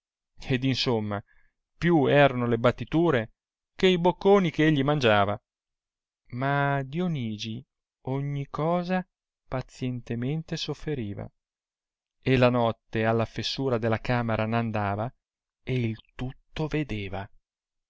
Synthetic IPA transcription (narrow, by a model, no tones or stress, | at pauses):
ed̪insomːa | pjuɛːɾanolebat̪ːit̪uːɾe | k̟eibokːoːnik̟eeʎːimand͡ʒaːva | mad̪ioniːd͡ʒi | oɲːikʰɔːza | pat̪sjɛnt̪ement̪esofːeɾiːva̰ | elanɔt̪ːealːafesːuːɾad̪elːakaːmeɾʔanand̪aːva | eilt̪ut̪ːoved̪eːva